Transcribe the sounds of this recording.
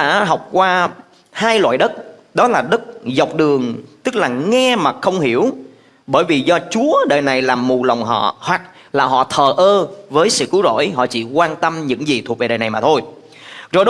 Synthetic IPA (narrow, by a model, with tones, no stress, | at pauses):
a̰ː˧˥ɦɔ˨˩wk͡p̚kwaː˧ | haː˧jlwa̰ː˧˨jɗə˦˥t̚ɗɔ˨˦laː˨˩ɗə˦˥t̚za˨˩wk͡p̚ɗɨ˨˩əŋt̪ɨ˦˥k̚laː˨˩ŋɛ˧maː˨˩xə˧wŋ͡mhi˧˩əw | ɓəː˧˩jvi˨˩zɔ˧t͡ɕu˨˦əɗəː˨˩jna˨˩jlaː˨˩mːu˨˩la˨˩wŋ͡mɦɔ̰˧˨hwa˨˩k̚ | laː˨˩ɦɔ̰˧˨t̪ʰəː˨˩ʔəː˧vəː˨˦jsɨ̰˧˨kɨ˨˦wzo̰˧˩˨jɦɔ̰˧˨t͡ɕḭ˧˩kwaː˧nt̪ə˧mɲɨ̰˧˥ŋzi˨˩t̪ʰu˨˩ve˨˩ɗəː˨˩na˨˩jmaː˨˩t̪ʰo˧j | zo˨˩jɗ